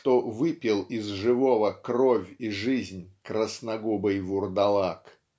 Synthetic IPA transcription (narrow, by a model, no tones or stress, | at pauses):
ʂt̪ovɨpʲɪlˠɪzʐɨvovəkrovʲiʐɨzʲnʲkɾəsnɐɡubəjvʊrd̪ɐlˠak